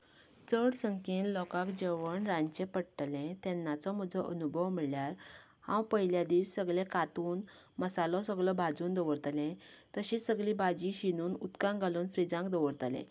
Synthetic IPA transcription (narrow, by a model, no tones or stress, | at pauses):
t͡səɽsəŋkĩnlɔkãkd͡ʑeʋəɳɾãɲt͡ɕẽpəɽʈ̪lẽt̪ɛnːat͡sɔməd͡zɔʔənubʱəʋmiɭjaɾ | hã̰wpəɦjljad̪iːssəɡɭẽkat̪uːn | məsalɔ̃səɡɭɔbʱad͡zuːnd̪əʋəɾt̪lẽt̪əɕiːsəɡlibʱad͡ʑiɕinuːnut̪kãŋɡʱaluːnfɾid͡zãŋkd̪əʋəɾt̪lḛ̃